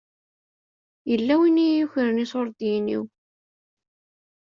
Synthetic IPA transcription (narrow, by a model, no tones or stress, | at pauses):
jəlːæwinijuçəɾənisoɾˤd̪inḭw